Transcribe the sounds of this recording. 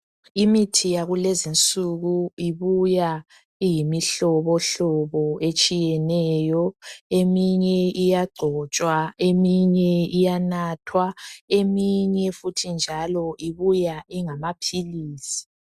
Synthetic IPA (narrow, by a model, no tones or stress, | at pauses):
imitʰijaɣulɛzint͡sʼuɣuiβuja | ijimiɬɔβɔɬɔβɔet͡ʃʼijɛnɛːjɔemiɲɛijaɡ͡ǀʱɔt͡ʃʼwaemiɲɛijanaːtʰwaemiɲɛfutʰind͡ʒʱalɔʔiβujaiŋamapʰiliːsi̥